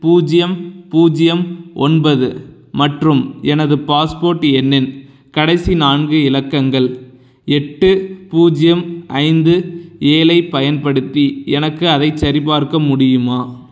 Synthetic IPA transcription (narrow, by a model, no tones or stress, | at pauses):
puːd͡ʒɪjɐmpuːd͡ʒɪjɐmʔɔnbɐðɯ | mɐʈrɯmɛnɐðɯpaːspoːɾʈːɛnːɪn | kɐɽɐsinaːɳɡɯɪlɐkːɐŋɡɐɭ | ɛʈːɯpuːd͡ʒɪjɐmʔɐɪnd̪ɯeːlɐɪpːɐjɐnpɐɽɯt̪ːiɛnɐkːɯɐðɐɪt͡ʃːɐɾɪpaːɾkɐmʊɽɪjɯmaː